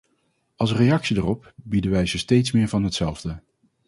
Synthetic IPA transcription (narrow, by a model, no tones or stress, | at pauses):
ɑlˠsrejɑksidərɔp̚bidənʋɛjzəstejtsmɪːɹvɑnɦətsɛlˠvdə